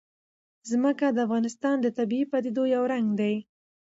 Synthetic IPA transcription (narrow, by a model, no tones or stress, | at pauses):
zməkad̪əafɣɑnɪst̪ɑnd̪ət̪abiipad̪id̪ojawɾaŋɡd̪aj